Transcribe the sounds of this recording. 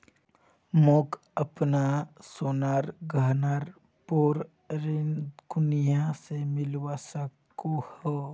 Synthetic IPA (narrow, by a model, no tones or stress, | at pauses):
moːk | əpnasoːnaːɾɡʱəɦnaːɾ | poɾ | ɾekʊnjãsemɪlwasək | oho